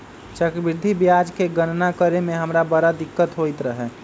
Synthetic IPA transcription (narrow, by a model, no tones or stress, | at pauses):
t͡ʃəkɾbɪɾd̪ʱibjad͡ʒkeɡənnakəɾemẽɦəmɾabəɾad̪ɪkːət̪ɦoɪt̪ɾəɦɛ